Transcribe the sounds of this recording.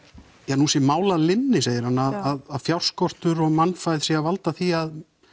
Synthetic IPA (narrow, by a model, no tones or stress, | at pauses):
janusɛmaːwlaðlɪnːɪseːjɪɾ̥hanːaðaðaðfjawr̥skɔr̥t̪ʏɾɔɣmanfajð̥siavalt̪aθiað